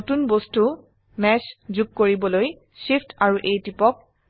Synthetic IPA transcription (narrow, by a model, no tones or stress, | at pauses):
otunbostu | mɛszuɡ̚koɹibɔloj | sipʰtʰaɹuʔejtipɔk̚